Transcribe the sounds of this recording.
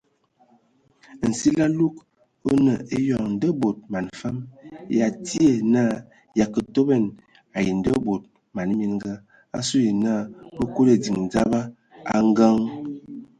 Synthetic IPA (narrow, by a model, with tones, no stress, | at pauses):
n̩˨si˦la˦lu˦k | o˦nə˨e˦jɔ˨ŋn̩˨də˦bo˨t̚ma˨nfa˦mja˨ti˦e˨na˦˨ | ja˨kə˨to˦bɛ˦˨n | a˨ji˨n˨də˦bo˨t̚ | ma˨n˦mi˦nɡa˦ | a̰˦su˦ji˨na˦˨bə˦ko˦le˨d͡zi˨ŋ˨d͡za˦ba˦ | a˦ŋ˦ɡa˦ŋ